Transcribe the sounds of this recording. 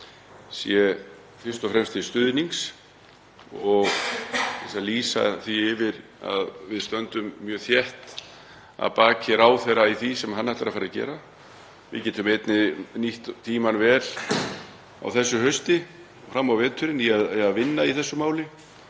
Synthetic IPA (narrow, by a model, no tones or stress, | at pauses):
sjɛ | fɪr̥st̪ɔfɾɛmst̪ɪst̪ʏðniŋs | ɔɣθɛsaliːsa̰θiɪvɪɾa̰ðvɪðst̪œnt̪ʏmːjœːθjɛht̪ | a̰ðpaːcʰɪɾaːwθɛɾaiθisɛmɦanːaht̪aɾafaːɾacɛ̰ːɾa | vɪ̰cɛːt̪ʏmejt̪nɪniht̪t̪ʰiːmanvɛːl̥ | a̰wθɛsːʏɦœɥst̪ɪ | ɔfɾamːawvɛːt̪ʰʏɾɪniaðaðvɪnːaiθɛsːʏmaːwlɪ